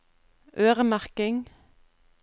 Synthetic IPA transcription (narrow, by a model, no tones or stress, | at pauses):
ʔøːʁəmæʁkɪŋ